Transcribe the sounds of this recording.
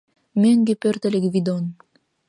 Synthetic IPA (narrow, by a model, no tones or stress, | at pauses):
meŋɡepørt̪elekβid̪on